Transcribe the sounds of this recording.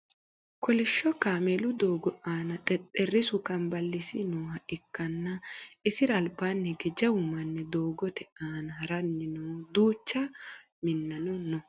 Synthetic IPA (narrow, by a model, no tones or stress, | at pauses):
kɔlɪʃːɔkaːmɛlʊd̪oːɡɔʔaːnɐt̪ʼɛt̪ʼɛrːɪsʊkɐmbɐlːɪsɪnuːhɐʔɪkːɐnːɐɪsɪɾɐːlbaːnːɛɡɛd͡ʒɐwʊmɐnːɛd̪oːɡɔt̪ɛaːnɐhɐɾɐnːɪnud̪uːt͡ʃːɐ | mɪnːɐnɔnːɔ